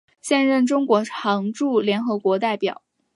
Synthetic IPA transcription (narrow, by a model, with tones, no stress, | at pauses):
ɕjɛ˥˧nɻə˥˩nʈ͡ʂʊ˥ŋkwɔ˧˥ʈ͡ʂʰɑ˧˥ŋʈ͡ʂu˥˩ljɛ˧˥nxɤ˧˥kwɔ˧˥t̪a˥˩ɪpjɑ̰˨˩˦ʊ